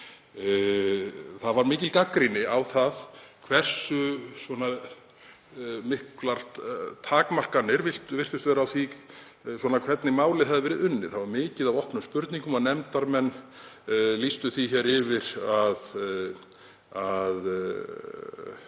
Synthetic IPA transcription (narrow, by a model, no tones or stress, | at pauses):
θaðvaɾmɪːcɪlkakɾinɪawθaðkʰv̥ɛr̥sʏsvɔna | mɪhklaɾ̥t̪ʰaːkmar̥kanːɪɾvɪl̥t̪vɪr̥t̪ʏst̪vɛːɾaːwθi | swɔːnakʰvɛt̪nɪmaːwlɪɾ̥hɦɛaðɪvɛːɾɪðʏnːɪθaðvaɾmɪːcɪðavɔhpnʏmspʏɾt̪niŋkʏmaðnɛmt̪aɾmɛnː | list̪ʏθiçɛːɾɪvɪɾað | að